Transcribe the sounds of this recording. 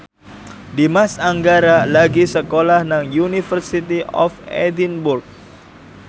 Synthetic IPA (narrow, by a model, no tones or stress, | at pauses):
dimasaŋɡaɾalaɡisəkolahnaŋjunifərsit̪iʔɔ̰fɛ̰dinburk̚